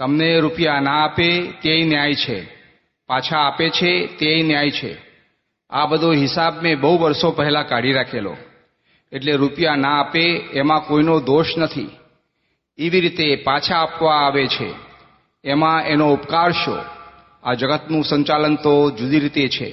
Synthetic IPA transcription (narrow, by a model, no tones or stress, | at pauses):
t̪əmneɾupjanãːpet̪eəinjajt͡ʃʰḛ | pat͡ʃʰaːpet͡ʃʰet̪eəinjajt͡ʃʰḛ | abəd̪ʱoɦɪsabmẽbəɦuʋəɾsopəɦɛlãkaɽiɾakʰelo̰ | eʈleɾupjanaapeːmãkoinod̪oʃnət̪ʰḭ | eʋiɾit̪epat͡ʃʰaːpʋãːʋet͡ʃʰḛː | mãenoupkaɾʃo̰ | ad͡ʒəɡət̪nũsəɲt͡ʃalənt̪od͡ʒud̪iɾit̪et͡ʃʰḛ